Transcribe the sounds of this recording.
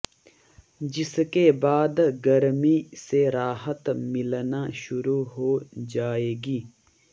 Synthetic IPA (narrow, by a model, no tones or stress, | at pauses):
d͡ʒɪskebaːd̪ɡɐɾmiseɾaːɦət̪mɪlnaʃʊɾuɦoːd͡ʒaːeːɡiː